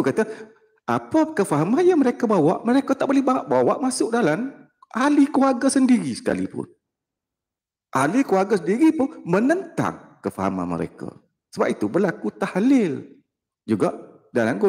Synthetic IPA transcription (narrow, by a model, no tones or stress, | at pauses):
ukat̪a | ʔapakəfaɦamanjaŋməɾekabawaʔməɾekat̪aʔ̚bolɛhbaʔbawaʔmasʊk̚dalan | ʔalikluaɡasəndiɾisə̥ka̰lḭpʊ̰n | ʔalikluaɡasəndiɾipʊnmənənt̪a̰ŋkəfaɦa̰ma̰nmə̰ɾḛka̰ | səbap̚it̪ubərlakut̪ahlɪl | d͡ʒuɡaʔ | dalanɡo